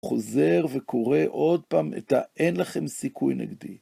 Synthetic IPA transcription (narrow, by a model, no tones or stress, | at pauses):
χo̞ze̞ʁvekʰo̞ʁe̞ʔo̞d̪̚paːmḛt̪aenlaχe̞msikʰujnḛɡd̪i